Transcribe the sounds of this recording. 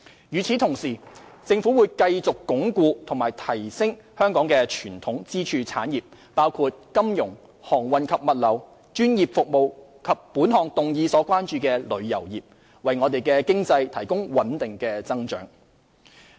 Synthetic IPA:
jyː˨t͡sʰiː˨˥t̪ʰʊ˨˩ŋsiː˨˩t͡sɪ˧ŋfuː˨˥wuː˨˧jkɐ˧jt͡sʊ˨kːʊ˨˥ŋkuː˧t̪ʰʊ˨˩ŋmaː˨˩jt̪ʰɐ˨˩jsɪ˥ŋ | hœː˥ŋkɔː˨˥ŋkɛː˧t͡ʃʰyː˨˩nt̪ʰʊ˨˥ŋt͡siː˥t͡ʃʰyː˧t͡sʰaː˨˥njiː˨p̚ | paː˥wkʰuː˧t̚kɐ˥mjʊ˨˩ŋ | hɔː˨˩ŋwɐ˨nkʰɐ˨p̚mɐ˨t̚lɐ˨˩w | t͡ʃyː˥njiː˨˩p̚fʊ˨k̚mo˨˧w | kʰɐ˨p̚pːuː˨˥nɦɔː˨˩ŋt̪ʊ˨ŋjiː˨˧sɔː˨˥kʷaː˥nt͡ʃyː˧kɛː˧lɵ˨˧ɥjɐ̰˨˩wjiː˨p̚ | wɐ˨jŋɔː˨˧t̪e˨jkɛː˧kɪ˥ŋt͡sɐ˧jt̪ʰɐ˨˩jkʊ˥ŋwɐ˨˥nt̪ɪ˨ŋkɛː˧t͡sɐ˥ŋt͡ʃœ̰ː˨˥ŋ

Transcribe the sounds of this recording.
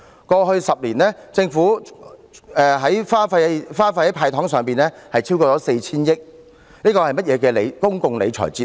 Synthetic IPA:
kɔː˧hɵ˧ɥsɐ˨p̚liː˨˩nɛː˥t͡sɪ˧ŋfuː˨˥ | ɛː˧ɦɐ˨˥jfaː˥fɐ˧jfaː˥fa˧hɐ˨˥jpʰaː˧jt̪ʰɔː˨˥ŋsœː˨˩ŋpiː˨nɛː˥hɐ˨jt͡sʰiː˥wkɔː˧t͡sɔː˨˥se˧jt͡sʰiː˥njɪ˥k̚ | niː˥kɔː˧hɐ˨jmɐ˥t̚jɛː˨˧kɛː˧le˨˧jkʊ˥ŋkʊ˨˧ŋle˨˧jt͡ʃʰɔ̰˨˩jt͡siː˥

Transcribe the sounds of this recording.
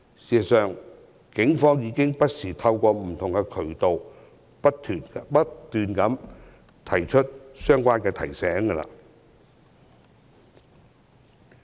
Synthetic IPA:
siː˨˩sɐ˨˩sœː˨ŋ | kɪ˨˥ŋfɔː˥ŋjiː˨˧˥kɪ˥ŋpɐ˥t̚siː˨˩t̪ʰɐ˧wkʷɔː˧m̩˨˩t̪ʰʊ˨ŋkɛː˧kʰɵ˨˩ɥt̪o˨w | pɐ˥tt̪ʰyː˨˩npɐ˥tt̪yː˨nkɐ˨˥m | t̪ʰɐ˨˩jt͡ʃʰɵ˥t̚sœː˥ŋkʷaː˥nkɛː˧t̪ʰɐ˨˩jsɛː˨˥ŋɡə˧la̰ː˧˨

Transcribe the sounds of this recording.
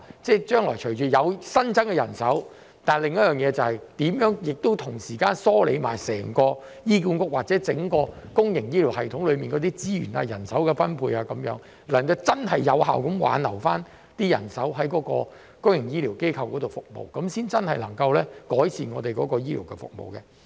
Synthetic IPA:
t͡sɛː˥˩t͡ʃœː˥ŋlɔː˨˩jt͡ʃʰɵ˨˩t͡ʃyː˨˩jɐ˨˧wsɐ˥nt͡sɐ˥nkɛ˧jɐ˨˩nsɐ˨˥w | t̪aː˨nlɪ˨ŋjɐ˥t̚jœː˨ŋjɛː˨˧t͡sɐ˨whɐ˨jt̪iː˨˥mjœː˨˥ŋjɪ˨k̚t̪o˥wt̪ʰʊ˨˩ŋsiː˨˩kaː˥nsɔː˥lḛ˨˧jma̰ː˨˩jsɛː˨˩ŋkɔː˧ | jiː˥kuː˨˥nkʊ˥k̚waː˨˩t͡sɛ˨˥t͡sɪ˨˥ŋkɔː˧ | kʊ˥ŋjɪ˨˩ŋjiː˥li˨˩whɐ˨jt̪ʰʊ˨˧˥ŋlɵ˨˧miː˨nkɔː˨˧˥t̪iː˥t͡siː˥jy̰ː˨˩na̰ː˧jɐ̰˨˩nsɐ˨˥wkɛ˧fɐ˥npʰuː˧jaː˧kɐ˨˥mjœ̰ː˨˥ŋ | lɐ˨˩nkɐ˧wt͡sɐ˥nɦɐ˨˩jːɐ̰˨˧wɦa̰ː˨wkɐ˨˥mwa̰ː˨˧˥nlɐ˨˩wfaː˥n | t̪iː˥jɐ̰˨˩nsɐ˨˥wɦɐ˨˥jkɔː˨˥kɔ̰ː˧ | kʊ˥ŋjɪ˨˩ŋjiː˥liː˨˩wke˥jkʰɐ˧wkɔː˨˥t̪o˨wfʊ˨k̚mo̰˨˩wkɐ˨˦msiː˥nt͡sɐ˥nhɐ˨jlɐ˨˩ŋkɐ˧wlɛː˥kɔː˨˥jsiː˨˩nŋɔː˨˧t̪e˨jkɔː˨˦˥kɔː˧jiː˥lḭː˨˩wkɛ̰˧fʊ̰˨k̚mo̰˨wkɛ˧

